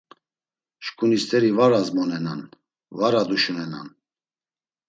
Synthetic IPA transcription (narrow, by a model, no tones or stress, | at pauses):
ʃkʰʼunist̪ʰɛɾivaɾazmɔnɛna̰n | vaɾad̪uʃunɛna̰n